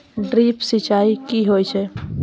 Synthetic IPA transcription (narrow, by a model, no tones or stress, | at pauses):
ɖɾiːpsit͡ʃaːikiɦojt͡ʃʰɛ